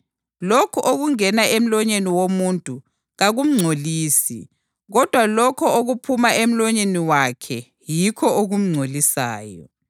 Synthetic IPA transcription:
lokʰɔʔoɣuŋɛnaem̩lɔɲeniwomuntʼu | ɣaɣum̩ŋ͡ǀʱoliːsḭ | ɣɔd̥ʱwalɔkʰɔoɣupʰumaʔem̩lɔɲeniwakʰɛ | jikʰɔʔoɣum̩ŋ͡ǀʱolisa̰ːjɔ̰

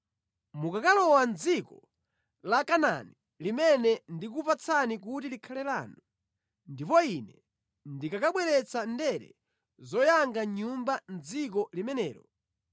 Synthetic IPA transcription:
mukakalɔwand͡zikɔ | lakana̰ni | limɛnɛndik̬upat͡sʰanik̬utilikʰalɛlanu | ndipɔinɛ | ndikakaɓwɛɾɛt͡sandɛɾɛ̰ | zɔjaŋɡaɲumband͡zik̬ɔlimɛnɛ̰ːɾɔ

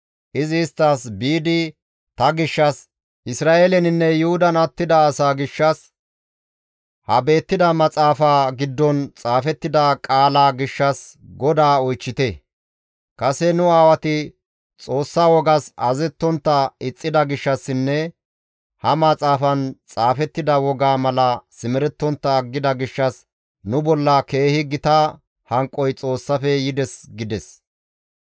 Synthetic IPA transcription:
ʔɪzɪːst̪ːaːsbiːd̪ɪ | t̪ɐɡɪʃːɐs | ʔɪsɾaːʔelɛnɪnːɛjʊhʊd̪ɐnɐt̪ːɪd̪ɐːsaːɡɪʃːɐs | hɐbe̞ːt̪ːɪd̪ɐmɐt͡sʼaːfaːɡɪd̪ːɔnt͡sʼaːfɛt̪ːɪd̪akʼaːlaːɡɪʃːɐsɡɔd̪aːɔjt͡ʃːɪt̪ɛ | kɐsɛnʊaːwɐt̪ɪ | t͡sʼo̞ːsːaːwɔɡɐsɐzɛt̪ːɔnt̪ːɐɪt͡sʼːɪd̪ɐɡɪʃːɐsːɪnːɛ | hɐmɐt͡sʼaːfɐnt͡sʼaːfɛt̪ːɪd̪ɐwɔɡaːmɐlɐsɪmɛɾɛt̪ːɔnt̪ːɐːɡːɪd̪ɐɡɪʃːɐs | nʊbɔlːɐke̞ːhɪɡɪt̪a | hɐŋkʼːɔjt͡sʼo̞ːsːɐfɛjɪd̪ɛsɡɪd̪ɛs

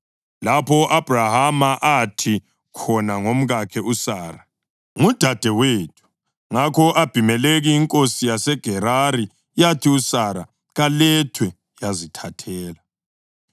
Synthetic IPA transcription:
lapʰɔʔab̥ʱrahamaʔatʰi | kʰɔnaŋom̩ɣakʰɛʔusaːɾa | ŋud̥ʱad̥ʱɛwetʰu̥ | ŋakʰɔʔab̥ʱimɛleɣiːŋkʼosijasɛɡ̥ʱɛɾaɾi | jatʰiusaɾa̰ | ɣalɛtʰwɛ | jazitʰatʰɛːla

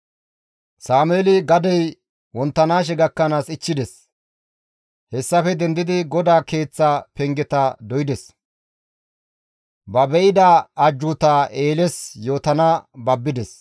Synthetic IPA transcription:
saːmeːlɪɡɐd̪ɛj | wɔnt̪ːɐnaːʃ̬ɛɡɐkːɐnaːsɪt͡ʃːɪd̪ɛs | hɛsːɐfɛd̪ɛnd̪ɪd̪ɪɡɔd̪aːke̞ːt͡sːaːpɛŋɡɛt̪ɐd̪ɔjɪd̪ɛs | bɐbɛʔɪd̪aːd͡ʒːut̪aːʔe̞ːlɛsjo̞ːt̪ɐnabɐbːɪd̪ɛs

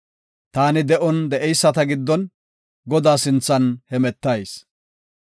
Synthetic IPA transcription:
t̪aːnɪd̪ɛʔɔnd̪ɛʔɛjsːɐt̪ɐɡɪd̪ːɔn | ɡɔd̪aːsɪnt͡sːɐnhɛmɛt̪ːɐjs

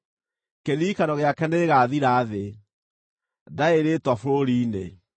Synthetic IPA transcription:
keðikanɔɣeakɛneɣaːðiɾaːðe | daeɾetwafoɾoɾiːnḛ

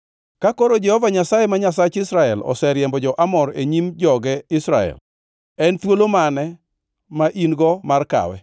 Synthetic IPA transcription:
kakoɾod͡ʒɛhɔvaɲasajemaɲasat͡ʃɪsɾaɛlɔ̰sɛɾjɛmbɔd͡ʒɔʔamɔɾeɲimd͡ʒɔɡɛɪsɾaɛ̰l | ɛnt̪wolomanɛ | maʔinɡɔmarka̰wɛ̰

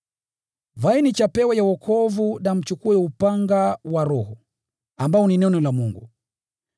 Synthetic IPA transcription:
vainit͡ʃapɛwɛjawɔkʰɔvunam̩t͡ʃukuɛupaŋɡawaɾɔhɔ | ambaɔninɔnɔlamuŋɡṵ

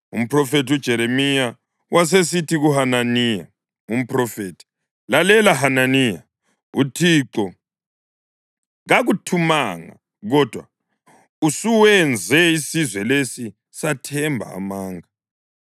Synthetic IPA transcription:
ṵm̩pʰrɔfetud̥ʒ̥ʱɛɾemija | wʔas̬es̬itiɣuhananiːja̰ | um̩prɔfeːtʰi̥ | lalɛlaɦananija̰ | utʰiǁɔ | ɣaɣutʰumaŋa̰ | ɣɔd̥ʱwa̰ | usuwɛnd͡zʱɛisizwɛlesi | satʰɛmbʱa̰ːmaːŋa

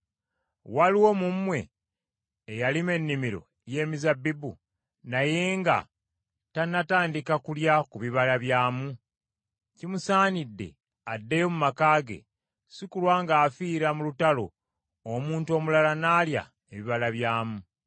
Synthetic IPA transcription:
waliwo̞mumːwe̞ː | jalime̞nːimiɾo̞̰ | je̞ːmizabːibu | najeːŋɡa̰ | tanːataːndikakuljakuβiβalaβjaːmu | cimusaːnidːe̞̰ | adːejo̞mumakaːɡe̞̰ | sikulwaːŋɡaːfiːɾamulutalo̞ː | muːntuo̞ːmulalanaːlja̰ | eβiβalaβjaːmu

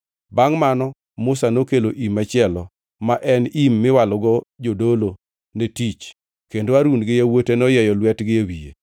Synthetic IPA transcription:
baŋmanɔ | mʊsanokeloʔimat͡ʃɪɛlɔ | maʔɛnimːɪwalɔɡɔd͡ʒodolo | netit͡ʃ | kendoaɾunɡɪjawotenɔjɛjɔlwɛtɡɪjewijḛ

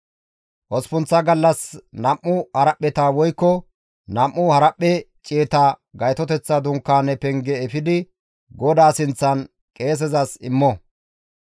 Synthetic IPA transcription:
ʔɔspʊnt͡sːɐɡɐlːɐsnɐmʔːʊhɐɾɐpʼːɛt̪aːwɔjkːɔ | nɐmʔːʊhɐɾɐpʼːɛt͡ʃʼeːt̪aːɡɐjt̪ɔt̪ɛt͡sːɐd̪ʊŋkːaːnɛpɛŋɡɛːfɪd̪ɪ | ɡɔd̪aːsɪnt͡sːɐn | kʼe̞ːs̬ɛzɐsɪmːɔ

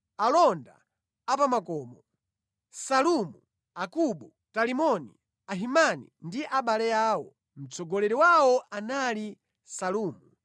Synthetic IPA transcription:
alɔnda̰ | apamakɔːmɔ | salumu | akuɓu | talimɔnḭ | aɦimanḭndiʔaɓalɛjaːwɔ | m̩t͡sɔɡɔlɛɾiwawɔʔanali | saluːmu

